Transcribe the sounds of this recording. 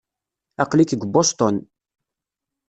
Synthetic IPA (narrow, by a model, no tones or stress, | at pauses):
ɑqlikəɡʷbost̪ɔn